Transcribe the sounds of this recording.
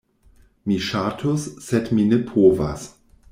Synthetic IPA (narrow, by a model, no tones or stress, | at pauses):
miʃatʰosːedminepʰoːva̰s